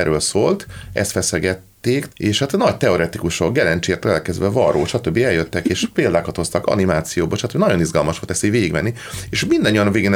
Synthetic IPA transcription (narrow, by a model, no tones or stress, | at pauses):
ɛɾøːlsoːlt̪ɛ̰st̪fɛsɛɡɛt̪ːeːkeːʃat̪nɒɟt̪ɛo̞ɾɛt̪ikuʃo̞kɡɛlɛnt͡ʃeːrt̪olɛlkɛzd̪vɛvɒɾoːʃɒt̪øbːiɛljøt̪ːɛkeːʃpeːld̪aːkɒt̪ho̞st̪ɒkɒ̰nimaːt̪sijoːboʃɒt̪øbinɒɟo̞nizɡɒlmɒʃʋolt̪ɛseveːɡiɡmɛ̰nːi | eʃmind̪ɒɲːijɒnveːɡen